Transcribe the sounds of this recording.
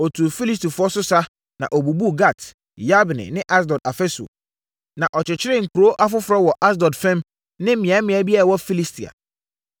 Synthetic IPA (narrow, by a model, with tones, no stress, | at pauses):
ɔ˨tʰu˨fi˦li˦s̬ti˨fʊ˨˦ɔ˦sʊ˦sa˦ | nã̰˨ʔo˨bu˨bu˦ɡa˦˨t | ja˦bnɪ̰̃˨nɪ̃˦ʔa˦sdɔ˨da˨fɛ˦so̰˨ | nã˨ʔɔ˨t͡ɕɪ˨t͡ɕʰɪ˦ɾɪ̃˦˨ŋ̩˨kʰu˨ɾo˦ʔa˦fʊ˦fʊ˨ɾɔ˦wɔ˨ʔa˦s̬dɔ˨dfɛ̃˦m | nɪ̃˦mɪ̃˨ɛ̃˨˦mɪ̃˨ɛ˦bi˦a˦ɾa˨wɔ˦fi˦li˦stʰi˨a̰˨